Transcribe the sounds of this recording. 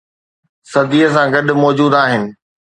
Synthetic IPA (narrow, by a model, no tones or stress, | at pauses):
sɐd̪iːəs̬ãɡɐɗmɔːd͡ʑuːd̪aːɦɪnɪ̆